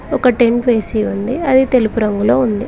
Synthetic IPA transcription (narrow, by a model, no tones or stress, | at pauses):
ɔkɐʈe̞ɳʈʋeːsiːund̪iɐd̪it̪e̞lipuɾɐŋɡuloːund̪i